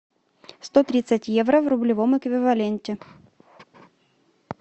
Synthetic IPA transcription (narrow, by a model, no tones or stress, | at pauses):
st̪ot̪ɾʲit̪sətʲjevɾəvɾʊblʲɪvomɛkvʲɪvɐlʲenʲtʲɪ